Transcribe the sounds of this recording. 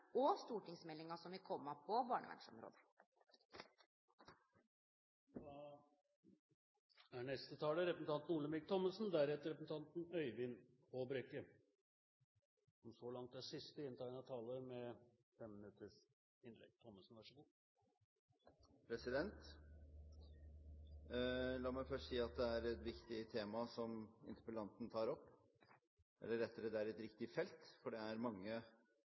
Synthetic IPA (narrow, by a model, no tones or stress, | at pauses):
ɔst̪uːʈɪŋsmɛlːɪŋɑsɔmʋɪkʰɔmːəpʰɔbɑːɳə̰ʋæ̰ɳʂɔ̰mɾo̰ːd̪ə̥ | d̪ɑ | æɳɛst̪ət̪ʰɑːləɾɛpɾəsn̩t̪ʰɑnt̪n̩uːləmɪk̚t̪ʰɔməsn̩d̪æɾɛt̪əɾɛpəsn̩t̪ʰɑnt̪nœʏʋɪn | pʰɔbɾɛkːə | ɔmsɔlɑŋt̪̚d̪æʂɪst̪əɪnt̪ʰɑɪnɑt̪ʰɑːləɾmɛ | fɛmːɪnʉt̪əʂ | ɪnlɛ̰ɡ̚t̪ʰɔmːəsn̩ʋæʂəɡuː | pʰɾɛsɪd̪ɛnt̪ | lɑːmæɪfœʂʈsiːɑt̪̚d̪ɛæɾɛt̪ʋɪkt̪ɪt̪ʰeːmɑsɔmɪ̰nt̪ɪplɑnt̪n̩t̪ʰɑːɾɔpː | ʔɛ̰lːəɾɛt̪ːəɾɛd̪ɛæɾɛt̪ɾɪkt̪ɪfɛlt̪fɔɖɛæɾmɑŋːə